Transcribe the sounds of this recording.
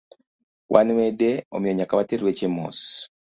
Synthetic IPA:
wʔaniwedeo̰mjoɲakaβateɾiɾwecemo̰ːs

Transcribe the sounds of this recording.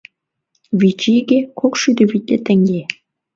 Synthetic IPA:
βit͡ɕiɡekokʃyd̪ɘ̆βit̪̚ʲlʲet̪ɘ̆ŋɡe

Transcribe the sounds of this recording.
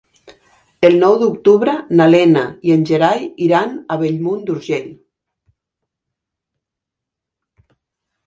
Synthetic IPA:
elˠnɔwd̪uk̚t̪uβɾənalɛnaienʲʒeɾajiɾanaβeʎmund̪uɾʒeʎ

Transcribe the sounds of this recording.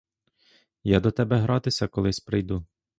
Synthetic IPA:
jad̪ɔt̪ɛbɛɦɾɑt̪ɪsʲɐkɔlˠɪsʲpɾɪjd̪u

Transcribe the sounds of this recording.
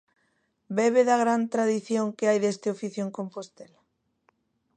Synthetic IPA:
beβeðaɣ̞ɾant̪ɾaðiθjoŋkeajðest̪eofiθjoẽŋkompost̪ela

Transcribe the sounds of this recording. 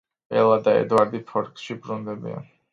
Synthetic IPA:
ɛ̰lˠad̪aɛ̰d̪waɾd̪ip̪ʰɔɾksʃibɾund̪ɛbḭa̰n

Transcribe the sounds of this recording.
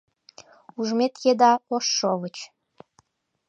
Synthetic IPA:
uʒmet̪jed̪ɑoʃːoβət͡ɕ

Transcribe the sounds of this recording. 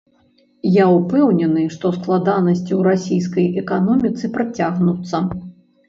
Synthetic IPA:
jaupɛwnʲɛnɨʂt̪ɔsklˠad̪anɐsʲt͡sʲiwɾasʲijs̬kɐjɛkanɔmʲit̪sɨpɾat͡sʲaɣnut̪sːɐ

